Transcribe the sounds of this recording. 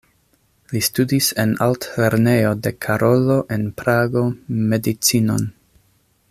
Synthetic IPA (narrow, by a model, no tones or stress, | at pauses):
listudise̞naltle̞ɾne̞jo̞de̞kʰaɾʔo̞lo̞ʔenpɾaɡo̞me̞dit͡sino̰n